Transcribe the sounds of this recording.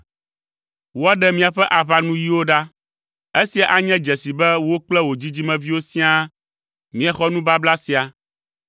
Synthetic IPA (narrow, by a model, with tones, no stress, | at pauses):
wo˦a˦ɖɛ˦mĩ˨a˨ɸɛ˦ʔa˨βa˨nũ˦ji˦wo˦ɖa˦ | e˦si˨a˨ʔa˨ɲɛ̃˦d͡ʒɛ˨si˨bɛ˦wo˦k͡plɛ˦wo˨d͡ʑi˦d͡ʑi˦mɛ̃˨vi˦wo˦sĩ˦a˦ | mĩ˦a˨xɔ˦nũ˦ba˦bla˦si˨a˨